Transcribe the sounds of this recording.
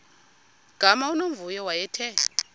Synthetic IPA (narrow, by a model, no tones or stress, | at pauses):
ɡ̥ʱamaunoɱvujɔwajɛtʰɛ